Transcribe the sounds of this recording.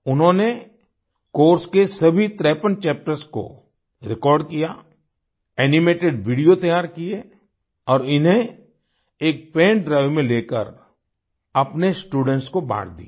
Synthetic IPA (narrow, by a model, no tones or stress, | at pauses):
ʊnɦõne | koːɾskesɐbʱit̪ɾɛːpənt͡ʃɛːp̚ʈəɾsko̰ | ɾɪkɔːɾɖkija | ɛːnɪmeːʈeɖʋiːɖijot̪ɐjaːɾkie | ɔːɾɪnɦẽ | eːk̚pẽːɳɖɾaːɪʋmẽleːkə̰ɾ | ɐpnesʈuːɖə̃ɳʈskoba̰ːɽd̪ḭ